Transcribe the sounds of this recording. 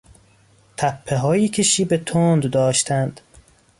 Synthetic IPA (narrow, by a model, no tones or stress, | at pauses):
t̪ʰæpʰːeɦɒːjiːkʰeʃiːbet̪ʰond̪d̪ɒːʃt̪ʰænd̪̥